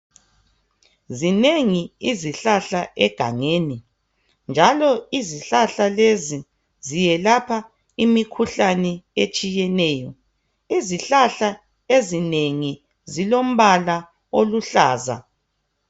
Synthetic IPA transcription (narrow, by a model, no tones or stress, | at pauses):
zineŋiiziɬaɬaʔɛɡ̥ʱa̰ŋeːni | nd͡ʒʱalɔiziɬaɬalezi | zijɛlapʰa | imikʰuɬanɛet͡ʃʼijɛnɛːjɔ | iziɬaɬa | ezineŋi | zilom̩βala | oluɬaːza̰